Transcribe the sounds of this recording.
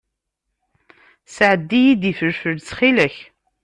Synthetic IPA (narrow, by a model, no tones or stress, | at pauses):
səʕəd̪ːijid̪ifəɾfəlt͡sχiləç